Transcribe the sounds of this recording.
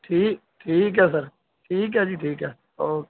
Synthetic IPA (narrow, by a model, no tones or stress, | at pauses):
ʈʰiːk̚ | ʈʰiːkɦɛsəɾ | ʈʰiːkɦɛd͡ʒiːʈʰiːkɦɛː | oːkː